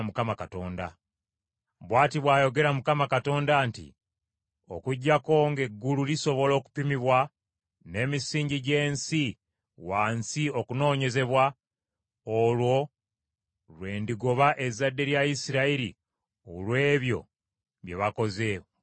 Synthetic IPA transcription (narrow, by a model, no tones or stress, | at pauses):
mukamakato̞ːnda̰ | βwaːtiβwaːjo̞ɡe̞ɾamukamakato̞ːndaːntḭ | o̞̰kuɟːako̞ŋɡe̞ɡːululiso̞βo̞lo̞ːku̥pimiβwa | ne̞ːmisiːɲɟiɟe̞ːnsi | waːnsio̞kuno̞ːɲe̞ze̞βwa | olwo̞ | lwe̞ːndiɡo̞βaʔe̞zːadːe̞ɾjaisiɾaiɾḭ | olwe̞ːβjo̞̰ | βje̞βako̞ze̞o